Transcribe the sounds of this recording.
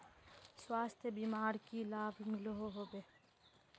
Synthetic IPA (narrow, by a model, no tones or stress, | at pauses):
swaːst̪ʰebiːmaːɾkilaːbmɪloɦoɦoːbeː